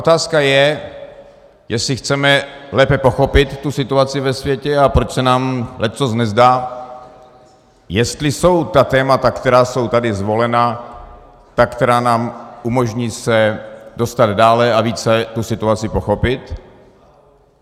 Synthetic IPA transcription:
ʔot̪aːskajɛ | jɛslɪxt͡sɛmɛlɛːpɛpo̞xo̞pɪt̪ːusɪt̪uat͡sɪvɛsvjɛcɛapɾot͡ʃsɛnaːmlɛt͡sosnɛzdaː | jɛst̪lɪso̞wt̪at̪ɛːmat̪akt̪ɛɾaːso̞wt̪adɪzvo̞lɛna | t̪akt̪ɛɾaːnaːmʔumo̞ʒɲiːsɛdo̞st̪ad̪daːlɛaviːt͡sɛt̪usɪt̪uat͡sɪpo̞xo̞pɪt̪

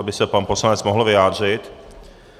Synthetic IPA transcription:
abɪsɛpanpo̞slanɛt͡smoɦl̩vɪjaːd̪r̝ɪt̪

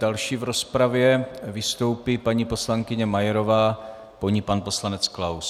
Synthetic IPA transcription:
d̥alʃiːvɾo̞spɾavjɛvɪst̪o̞wpipaɲipo̞slaŋkɪɲɛmajɛɾo̞vaː | poɲipanpo̞slanɛt͡sklaws

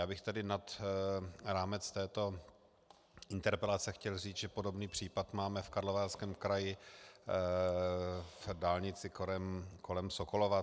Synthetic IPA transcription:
jaːbɪxt̪adɪnat̪ | ɾaːmɛt͡st̪ɛːt̪o̞ | ɪnt̪ɛɾpɛlat͡sɛxcɛlriːt͡sʒɛpo̞do̞bniːpr̝̥iːpat̪maːmɛfkaɾlovaɾskɛːmkɾajɪ | vdaːlɲɪt͡sɪkoɛmkolɛmsokolova

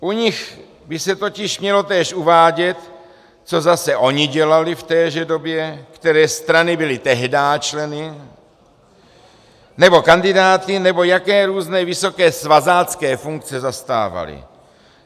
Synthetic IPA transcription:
ʔuɲɪx | bɪsɛt̪o̞cɪʃmɲɛlo̞t̪ɛːʃʔuvaːɟɛt̪ | t͡so̞zasɛʔo̞ɲɪɟɛlalɪft̪ɛːʒɛdo̞bjɛkt̪ɛɾɛːst̪ɾanɪbɪlɪt̪ɛɦdaːt͡ʃlɛnɪ | nɛbo̞kandɪdaːt̪ɪnɛbo̞jakɛːɾuːznɛːvɪso̞kɛːsvazaːt͡skɛːfuŋk̚t͡sɛzast̪a̰ːva̰lɪ̰

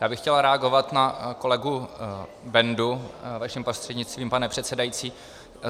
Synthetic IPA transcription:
jaːbɪxcɛlaɾɛaɡo̞vat̪nako̞lɛɡu | bɛnduvaʃɪmpɾost̪r̥ɛdɲɪt͡st̪viːmpanɛpr̥ɛt̪sɛdajit͡siː

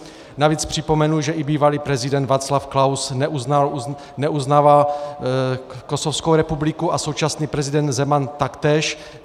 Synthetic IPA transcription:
naviːt͡spr̝̥ɪpo̞mɛnuʒɛʔibiːvaliːpɾɛzɪdɛnd̪vaːt͡slafklawsnuznal | nɛʔuznaːval | ko̞sofskowɾɛpublɪkuʔaso̞wt͡ʃasniːpɾɛzɪdɛnd̪zɛmant̪akt̪ɛːʃ

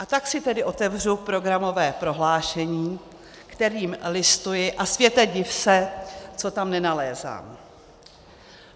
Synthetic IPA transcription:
ʔat̪aksɪt̪ɛdɪʔo̞t̪ɛvr̝upɾo̞ɡɾamo̞vɛːpɾo̞ɦlaːʃɛɲiː | kt̪ɛɾiːmlɪst̪ujɪʔasvjɛt̪ɛɟɪfsɛt͡so̞t̪amnɛnalɛːza̰ːm

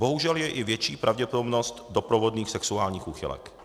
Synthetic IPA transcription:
bo̞ɦuʒɛljɛʔɪvjɛt͡ʃiːpɾʔavɟɛpodobnost̪do̞pɾovodniːxsɛksuaːlɲiːxuːxɪ̰lɛ̰k

